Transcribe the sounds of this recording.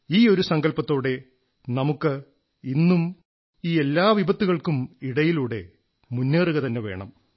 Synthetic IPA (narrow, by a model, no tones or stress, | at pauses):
iːo̞ɾusɐŋɡɐlpɐt̪ːo̞ːɽe̞ | nɐmukːɨ | inːum | iːe̞lːaːʋibɐt̪ːuɣɐɭkumiɽɐjiluːɽe̞̰ | munːeːruɣɐt̪ɐnːe̞ʋe̞̰ːɳɐ̰m